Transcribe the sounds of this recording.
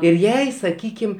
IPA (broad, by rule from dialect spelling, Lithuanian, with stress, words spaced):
jɛʊ ˈjɛɪ sɐˈkʲiːkʲɪm